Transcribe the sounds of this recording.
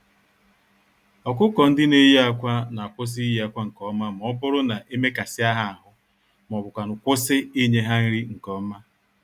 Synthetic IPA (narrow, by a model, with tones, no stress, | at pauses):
ɔ˨k̬ʊ˦kɔ˨n̩˦dɪ˦ne˦ja˦kʷa˦na˨a˨kʷʊ˦s̬ɪ˦i˦ja˦kʷa˦ŋ̩˨kɔ˦ma˦m̩˨ɔ˦bʊ˦ɾʊ˦na˨ʔe˦me˦ka˨sɪ˦a˦ɦa˦a˨ɦʊ˦ | m˨ɔ˨bʊ˨kʷa˨nʊ˨kʷʊ˦sɪ˦i˦ɲe˦ɦa˦n̩˦ɾi˦ŋ̩˨kɔ˦ma˦